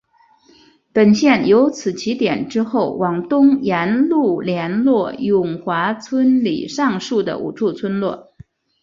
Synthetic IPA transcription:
pə˨˩nɕjɛ˥˩njo˧˥ʊt͡sʰɹ̩˨˩t͡ɕʰi˧˥t̪jɛ˨˩nʈ͡ʂɻ̩˥xo˥˩ʊwɑ˨˩ŋt̪ʊ˥ŋjɛ˧˥nlu˥˩ljɛ˧˥nlwɔ˥˩jʊ˨˩ŋxwa˧˥t͡sʰwə˥nlḭ˨˩ʂɑ˥˧ŋʂu˥˩d̪ə̰˩ʔṵ˨˩ʈ͡ʂʰu˥˩t͡sʰwə˥nlwɔ˥˩

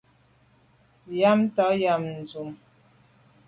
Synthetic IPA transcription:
ja˦mta˨˦ja˨mn̩˨zu˨m

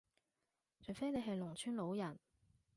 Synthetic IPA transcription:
t͡ʃʰɵ˨ɥfe˥jne˨˧jɦɐ˨jlʊ˨˩ŋt͡ʃʰyː˥nlo˨˥wjɐ˨˩n

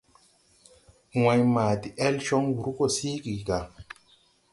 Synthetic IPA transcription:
wa˧jmaː˨di˨ʔɛ˦lʃɔ˦ŋwu˨ɾu˦ko˦˨siː˦ɡi˨ɡa˨

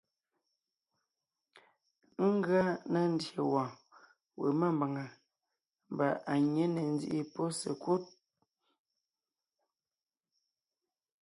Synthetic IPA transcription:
ŋ̩˦ɡa˦na˦n̩˦dje˨wɔ̃˨ | wḛ˨ma˦˨mba˨ŋa˨ | m˨ba˨ʔa˨ɲe˦ne˨n̩˦d͡zḭ˦ʔi˦pɔ˦sḛ˨kwo˦t̚

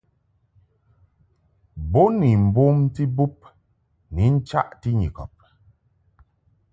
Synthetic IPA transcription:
bo˦ni˨m̩˨bo˦mti˦bu˦p̚ | ni˨˦n̩˦t͡ʃa̰˦ʔti˦ɲḭ˨kɔ̰˨p̚

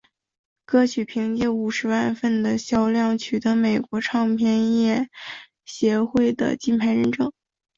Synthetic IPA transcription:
kɤ˥˩t͡ɕʰy˨˩pʰi˧˥ŋt͡ɕjɛ˥˩u˨˩ʂɻ̩˧˥wa˥˧nfə˥˩nd̪ə˩ɕjɑ˥˧ʊljɑ˥˩ŋt͡ɕʰy˨˩t̪ɤ˧˥me˨˩ɪkwɔ˧˥ʈ͡ʂʰɑ˥˧ŋpʰjɛ˥˧njɛ˥˩ | ɕjɛ˧˥xwe˥˩ɪd̪ə̰˩t͡ɕi˥˩npʰa˧˥ɪɻə˧˥nʈ͡ʂɤ˨˩˦ŋ

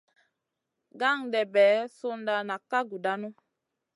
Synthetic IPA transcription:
ɡa˦˨ŋdɛ˨bɛ˨˦su˦nda˨na˨ka˦ɡu˨da˦nu˦

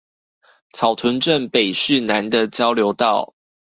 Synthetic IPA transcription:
t͡sʰɑ˨˩ʊt̪ʰə˨˦nʈ͡ʂə˥˨npe˨˩ɪʂɻ̩˥˨na˧˦nd̪ə˨t͡ɕjɑ˥ʊljo˧˥ʊt̪ɑ˥˨ʊ

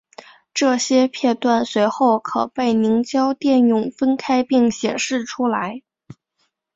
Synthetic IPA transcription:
ʈ͡ʂɤ˥˩ɕjɛ˥pʰjɛ˥˧t̪wa˥˩nswe˧˥ɪxo˥˩ʊkʰɤ̰˨˩pe˥˩ɪni˧˥ŋt͡ɕjɑ˥ʊt̪jɛ˥˧njʊ˨˥˩ŋfə˥nkʰa˥ɪpi˥˩ŋɕjɛ̰˨˩nʂɻ̩˥˩ʈ͡ʂʰu˥la˧˥ɪ

